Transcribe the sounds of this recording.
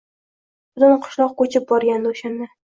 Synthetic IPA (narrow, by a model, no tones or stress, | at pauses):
b̥ʊt̪ʊnqʰʊ̥ʃlˠɒq̚kot͡ʃʰɪp̚bɒɾɡʲand̪oʃand̪a